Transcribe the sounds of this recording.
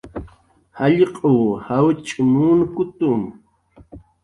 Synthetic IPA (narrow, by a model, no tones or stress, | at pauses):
haʎqʼowhawt͡ʃʼʊmunkʊt̪um